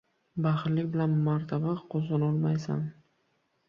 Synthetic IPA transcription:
baχɾlɪkʲbɪlanmaɾt̪ʰabaqʰozɒnɒlˠmajsa̰n

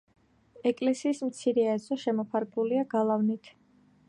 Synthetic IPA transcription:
ɛkʼlɛsiːsmt̪sʰiɾɛaɛsɔʃɛmɔpʰaɾkʼuliaɡalˠavnit̪ʰ

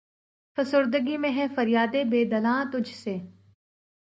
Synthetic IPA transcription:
fəsʊɾd̪əɡimẽɦɛ̃fɐɾjaːd̪ebeːd̪ɐlãːt̪ʊd͡ʒʱseː

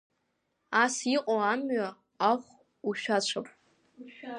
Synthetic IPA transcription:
asiqʼoamɥa | aχʷ | uʃᶣat͡ɕʷʰapʼ

